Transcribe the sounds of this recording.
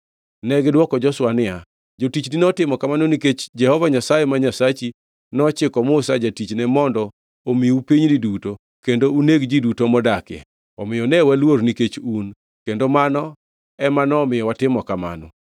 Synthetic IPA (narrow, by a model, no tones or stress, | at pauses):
nɛɡdwɔkɔd͡ʒɔswanɪa | d͡ʒotit͡ʃninɔtɪmɔkamanoniket͡ʃd͡ʒɛhɔvaɲasajemaɲasat͡ʃi | nɔt͡ʃɪkɔmʊsad͡ʒatit͡ʃnɛmɔndɔ | omiupiɲniduto | kendouneɡd͡ʒidutomɔdakɛ̰ | ɔmɪjɔnɛwalwoɾniket͡ʃun | kendomanɔ | ɛmanɔːmɪjɔwatɪmɔkama̰nɔ̰